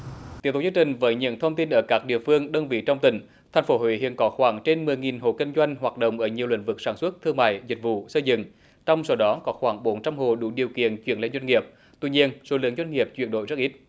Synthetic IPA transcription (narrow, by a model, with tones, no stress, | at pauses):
t̪i˨˦t̪̚ːzŋ˩t͡ɕï˨˩ŋ̟vəː˨˦jɲə̰˧˥˨nt̪ʰə˧wŋ͡mt̪i˧nʔəː˧˩kaː˦˥k̚ɗḭ˧˨əfɨ˧əŋɗə˧wnvḭ˧˨t͡ɕɔ˧wŋ͡mt̪ï˧˩ŋ̟ | t̪ʰa˨˩ŋ̟fo˨˦ɦwḭ˧˥hḭ˧˨ənkɔ˨˦xwaː˧˩ŋt͡ɕe˧nmɨ˨˩əjŋi˨˩nɦo̰˧˨kï˧ŋ̟zwa˧jŋ̟ɦwaː˨˩t̚ɗo̰˧˨wŋ͡mʔəː˧˩ɲi˨˩əwlḭ˧˥ŋ̟vɨ˨˩k̚saː˧˩nswə˦˥t̚t̪ʰɨ˧əŋma̰ː˧˨jzï˨˩k̟̚vṵ˧˨sə˧jzɨ̰˧˨ŋ | t͡ɕɔ˧wŋ͡msə˨˩wɗɔ˨˦kɔ˨˦xwaː˧˩ŋɓo˨˦nt͡ɕa˧mɦo̰˧˨ɗu˧˩˦ɗi˨˩əwkḭ˧˨ənt͡ɕwi˧˩ənlḛ˧˥nzwa˧ŋ̟ŋi˨˩əp̚ | t̪ḭ˧˨ɲi˧ənso̰˨˦lɨ˨˥əŋzwa˧jŋŋi˨˩əp̚t͡ɕwi˧˩ənɗo̰˧˨jzə˦˥t̚ʔi˦˥t̚